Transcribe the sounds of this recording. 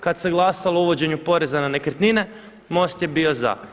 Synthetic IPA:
kad̪seɡlˠasalˠouʋo̞d͡ʑe̞ɲupo̞ɾe̞zananekɾ̩t̪nine̞ | mo̞st̪je̞bio̞za̰

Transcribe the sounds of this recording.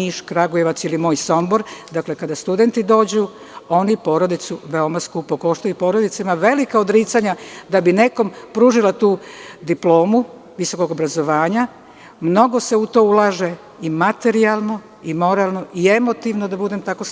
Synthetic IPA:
iʃkɾaɡujeʋat̪silimoːjso̞mbo̞ɾd̪akle̞kad̪ast̪ud̪e̞nt̪id̪o̞ːd͡ʑu | o̞nipo̞ːɾo̞d̪it̪suʋeomaskupokoʃt̪ojupo̞ɾod̪it̪saimaʋe̞likaod̪ɾiːt̪saɲad̪abine̞ko̞mpɾuːʒilat̪uːd̪iplo̞ːmu | ʋiso̞ko̞ɡo̞bɾazo̞ʋaːɲa | mno̞ɡo̞seut̪o̞ːulˠaːʒe̞ | imat̪e̞ɾialˠno̞ | imo̞ɾalˠno̞ʔie̞mo̞t̪iʋnod̪abud̪e̞mt̪ako̞

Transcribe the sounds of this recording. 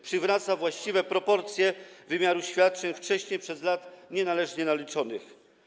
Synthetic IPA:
pʂɘvɾat̪savwaɕt͡ɕivɛpɾɔpɔɾt̪sʲjɛvɘmʲjaɾuɕfʲjat̪̚t͡ʂɛɲft͡ʂɛɕɲejpʂɛzlat̪ɲɛnalɛʐɲɛnalʲit͡ʂɔnɘx

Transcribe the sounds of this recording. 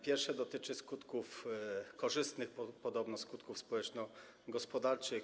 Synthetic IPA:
pʲjɛɾfʂɛd̪ɔt̪ɘt͡ʂɘskut̪kufkɔʐɘst̪nɘxpɔpɔd̪ɔbnɔskut̪kufspɔwɛt͡ʂnɔ | ɡɔspɔd̪aɾt͡ʂɘx

